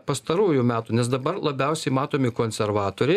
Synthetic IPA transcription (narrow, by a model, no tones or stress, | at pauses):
pɐst̪ɐɾuːjʊmʲæːt̪uːnʲɛsd̪ɐbɐrlˠɐbʲɛʊsʲɛɪmɑːt̪oːmʲɪkoːnʲsʲɛɾʋɑːt̪oːɾʲɛɪ